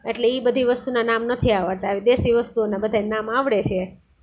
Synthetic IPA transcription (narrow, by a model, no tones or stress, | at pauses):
eʈleibəd̪ʱiʋəst̪unanamnət̪ʰiaʋat̪aːʋid̪esiʋəst̪uonabəd̪ʱaenamaʋɽet͡ʃʰe